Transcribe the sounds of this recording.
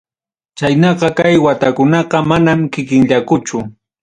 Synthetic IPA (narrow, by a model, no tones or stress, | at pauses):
t͡ʃajnɑqɑkajwat̪akʊnɑqɑmanamkɪkɪnʎakʊt͡ʃʊ